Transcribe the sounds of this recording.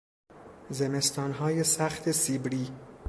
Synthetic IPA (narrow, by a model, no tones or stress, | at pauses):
zeme̞st̪ɒːnɦɒːjesæxt̪ʰe̞siːbɾiː